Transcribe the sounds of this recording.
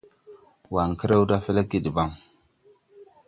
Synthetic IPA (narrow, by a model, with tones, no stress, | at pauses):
wa˨ŋkə˦ɾe˦wda˦fe˦le˦ɡi˦˨di˨ba˦˨ŋ